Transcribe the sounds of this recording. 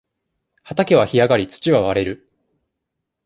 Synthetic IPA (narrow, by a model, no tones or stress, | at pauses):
hat̪ake̞β̞açijaɡaɾʲit͡sɨ̥t͡ɕiβaβaɾe̞ɾɯ̟